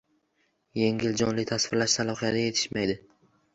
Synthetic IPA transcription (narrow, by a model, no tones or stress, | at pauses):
je̞ŋʲɪld͡ʒɒnlɪt̪ʰasvɪɾlaʃsalˠɒχijad̪aje̞t̪ʰɪ̥ʃmajd̪ɪ